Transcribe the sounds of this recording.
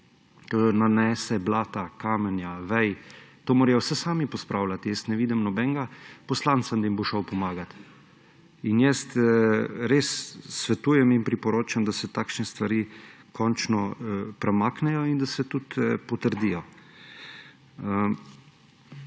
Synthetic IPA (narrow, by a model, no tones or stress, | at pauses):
t̪onanɛːsɛblaːt̪akaːmɛnjaʋɛjt̪oːmoːɾjɔwsɛsaːmipɔspɾʔaːwlat̪ijɛst̪nɛʋiːd̪ɛmnɔbɛŋɡapɔslant̪sand̪ɐimboʃɔwpɔmaːɡat̪ | injɛst̪ | ɾeːsːʋɛt̪uːjɛminpɾipɔɾoːt͡ʃamd̪asɛt̪aːkʃnɛst̪ʋaɾiː | kʰɔnt͡ʃnɔpɾɛmaːknɛjɔind̪asɛt̪ut̪pɔt̪əɾd̪ijɔ | ə